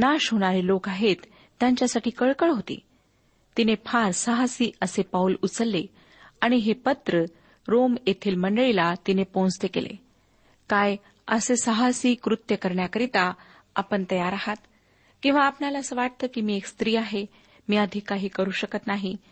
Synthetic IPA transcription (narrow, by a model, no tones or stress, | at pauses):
naɕɦoɽ̃aɾilokaɦet̪ː | jaɲt͡ɕjasaʈʰiːkəɭkəɭɦot̪ḭː | t̪inepʰaɾsəɦasiːʔəsepaulut͡səlːe | aɽ̃iɦepət̪ɾə | ɾomjet̪ʰiːlməɳɖəɭilat̪inepõnst̪ekḛlḛ | kaj | əsesəɦasiːkɾut̪jəkəɾɳjakəɾit̪a | a̰pəɳt̪əjaɾaɦat̪ | kĩw̃ʋaːpnalaːsəʋaʈ̚t̪əːkiːmiːekst̪ɾiːaɦe | miːəd̪ʱiːkaɦiːkəɾuːɕəkət̪naɦi